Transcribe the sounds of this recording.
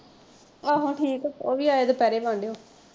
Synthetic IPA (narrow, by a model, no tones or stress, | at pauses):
aːɦõːʈʰiːkːoːʋiːaːed̪epɛːɾeːʋãːɳɖeːoː